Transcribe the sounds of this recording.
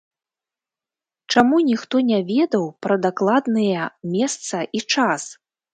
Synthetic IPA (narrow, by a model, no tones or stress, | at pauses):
t͡ʂamunʲixt̪ɔnʲavʲɛd̪ɐwpɾɐd̪aklˠad̪nɨjɛmʲɛst̪sɐʔit͡ʂas